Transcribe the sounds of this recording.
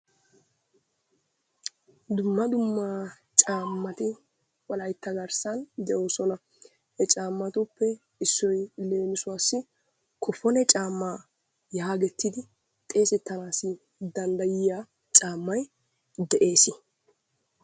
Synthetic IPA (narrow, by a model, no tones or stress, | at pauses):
d̪ʊmːɐd̪ʊmːa | t͡ʃʼaːmːɐt̪ɪ | wɐlɐjt̪ːɐɡɐɾsɐnd̪ɛʔo̞ːsɔnɐ | hɛt͡ʃʼaːmːɐt̪ʊpːɛ | ɪsːɔjle̞ːmɪsʊwaːsːɪ | kʰɔfɔnɛt͡ʃʼaːmːaː | jɐhaɡɛt̪ːɪd̪ɪ | t̪ʼe̞ːsɛt̪ːɐnaːsɪ | d̪ɐnd̪ɐjɪja | t͡ʃʼaːmːɐj | d̪ɛʔe̞ːsɪ